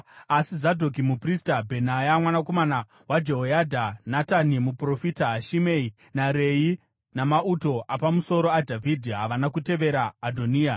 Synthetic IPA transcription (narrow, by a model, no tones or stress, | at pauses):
asizadʱok̬imupristabʱe̞najamwanako̞mana | wad͡ʒeɦojadʱanatanimupro̞fitaɦaʃimei | naɾe̞ji | namauto̞ʔapamuso̞ɾo̞adʱavʱidʱiɦaʋanakute̞ʋe̞ɾaːdʱoniːa